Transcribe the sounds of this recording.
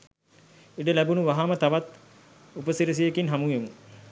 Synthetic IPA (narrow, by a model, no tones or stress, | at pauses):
iɖəlæbunuʋaɦaːmət̪aʋat̪ | upəsiɾis̬ijekinɦamuemu